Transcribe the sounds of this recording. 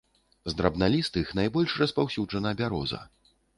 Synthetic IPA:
zd̪ɾɐbnalʲist̪ɨxnajbɔlʲʂrɐspawsʲuʐɐnɐbʲaɾɔ̰zɐ̰

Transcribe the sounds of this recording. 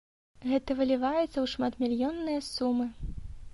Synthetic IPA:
ɣɛt̪ɐvɨlʲivajɛt̪sːɐwʂmat̪mʲilʲjɔnːɨjɐsumɨ

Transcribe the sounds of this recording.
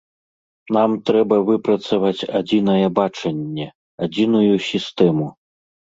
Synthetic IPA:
namt̪ɾɛbɐvɨpɾɐt̪sɐvat͡sʲad͡zʲinɐjɛbat͡ʂɐnʲːɛ | ad͡zʲinujusʲist̪ɛmu

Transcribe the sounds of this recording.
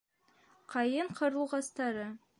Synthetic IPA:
qʰɑjɤɴqʰŏɾɤ̆lˠʁɑst̪ɑɾɤ

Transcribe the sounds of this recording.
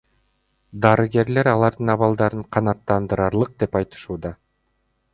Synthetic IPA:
d̪ɑɾɯɡe̞ɾle̞ɾɑlˠɑɾd̪ɯnɑβɑlˠd̪ɑɾɯɴqʰɑnɑt̪ːɑnd̪ɯɾɑɾlˠɯq̚d̪e̞pɑjt̪ɯ̥ʃuːd̪ɑ

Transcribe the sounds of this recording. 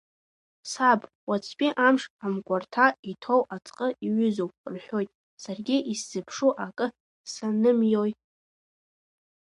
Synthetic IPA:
sab | wat͡sʰpʲʼiʔamʂamkʷʼartʰaitʰo̞wʔat͡sʼqʼəiʕʏzowpʼrħʷᶣo̞jtʼ | sarɡʲiisz̥ɨpʰʂuʔakʼɨ | sanɨmjoj

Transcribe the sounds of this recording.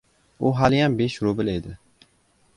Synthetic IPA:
uɦɑljɑnbeʃɾobɪled̪ɪ

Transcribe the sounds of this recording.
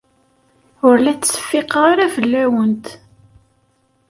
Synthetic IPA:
ʊɾlæt͡sːsə̥fːiqʁaɾævəlːæwənt̪

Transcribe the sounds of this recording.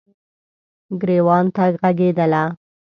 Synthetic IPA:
ɡɾewɑnt̪aɡɣaɡed̪əla

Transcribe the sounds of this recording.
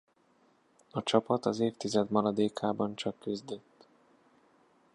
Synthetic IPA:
ɒt͡ʃɒpɒt̪ɒzeːft̪izɛd̪mɒɾɒd̪eːkʰaːbɒnt͡ʃɒkːyzd̪øt̪ː

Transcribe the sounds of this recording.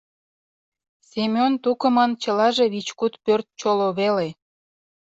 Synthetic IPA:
semʲont̪ukə̆mənt͡ɕəlɑʒeβit͡ɕkut̪pørt̪̚t͡ɕoloβele

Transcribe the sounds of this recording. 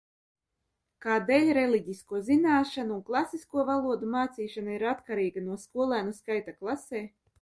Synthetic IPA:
kaːd̪eːlʲɾelʲˠiɟiskuɔzinaːʃanuːnklˠasiskuɔvalˠuɔd̪umaːt̪siːʃanaiɾat̪kaɾiːɡanuɔskuɔlˠæːnuskajt̪aklˠaseː

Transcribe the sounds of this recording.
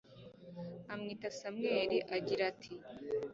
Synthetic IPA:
amŋiːtasamŋe̞ːɾiʔaɡiɾatʰi

